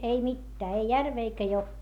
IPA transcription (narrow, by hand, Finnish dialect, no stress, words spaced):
ei mitːæː ei jærʋeː eikæ jokːeː